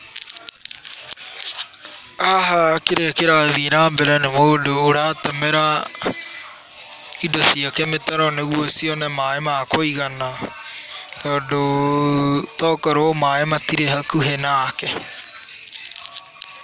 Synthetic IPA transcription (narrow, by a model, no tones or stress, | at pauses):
aɦakɪɾekeɾaːðiɾãːbɛɾɛnɛmoːɖoːɽaːt̪ɐmɛɾa | idɔsiakɛmɪt̪ɐɾɔnɛɣuosiɔnɛmaːemaːkoiɣɐna | kɔɖo | t̪ɔkɐɾomaːemat̪iɾeɦɐkuɦenakɛ